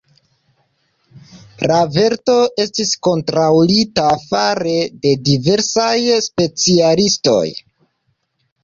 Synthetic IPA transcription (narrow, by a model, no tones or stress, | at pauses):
ɾave̞ɾto̞ʔe̞stisko̞ntɾawlitafaɾe̞de̞dive̞ɾsajspe̞t͡sialisto̞̰j